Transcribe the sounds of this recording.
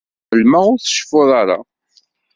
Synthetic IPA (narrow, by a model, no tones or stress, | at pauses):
əlməʁʊɾθə̥ʃfʊðˤɑɾˤa̰